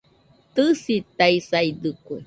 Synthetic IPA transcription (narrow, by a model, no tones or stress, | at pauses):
t̪ɨsit̪aisajd̪ɨku